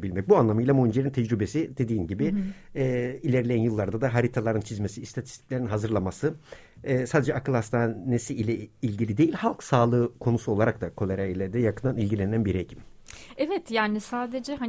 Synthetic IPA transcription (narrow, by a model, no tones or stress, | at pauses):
bilʲmɛc̚buanlˠamɯjlˠamond͡ʒeɾint̪ʰɛd͡ʒɾybe̞sid̪e̞d̪iːnɟibɪɛːilʲeɾilʲeænjɯlˠːaɾd̪ad̪aɦaɾit̪ʰalˠaɾɯnt͡ʃʰizmesiːst̪ʰat̪ʰi̥st̪ʰic̚lʲe̞ɾinɦazɯɾlˠamasɯː | saːd̪ed͡ʒɛʔakɯlˠhast̪ʰanesiilʲɛilʲɟilʲid̪e̞jilʲhalˠksaːlˠɯːkʰo̞nusuo̞lˠaɾakt̪akʰo̞lʲˠeɾailʲɛd̪ɛjakʰɯnd̪anilʲɟilʲenænbiɾecʰimɛvɛt̪jaːnisaːd̪ed͡ʒɛɦa